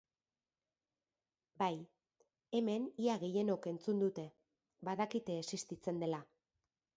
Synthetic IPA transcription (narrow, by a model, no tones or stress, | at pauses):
baj | e̞me̞niaɣe̞je̞no̞ke̞nt͡sund̪ut̪e̞ | baðakit̪e̞ːsist̪it͡se̞nd̪e̞la